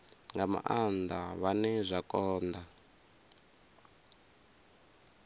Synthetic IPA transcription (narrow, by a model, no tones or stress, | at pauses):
ŋɡama̰ʔand̪aβanɛzʷakʼɔːnd̪a